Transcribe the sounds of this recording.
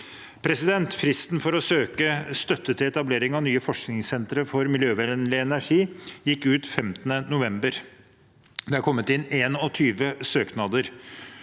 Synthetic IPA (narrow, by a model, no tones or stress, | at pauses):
pʰɾɛsɪd̪ɛnt̪fɾɪst̪nfɔɾɔsøːkəst̪œt̪ːət̪ʰɪlɛt̪ɑbleːɾɪŋɑʋnyːəfɔʂknɪŋsɛnt̪ɾəfɔɾmɪljøːʋænlɪɛnæʂiːjɪkːʉːt̪fɛmt̪ənənʊʋɛmbəɾ | d̪ɛhɑɾkʰɔmːət̪ɪnːeːnɔt̪ʰyːʋəsøːknɑd̪əɾ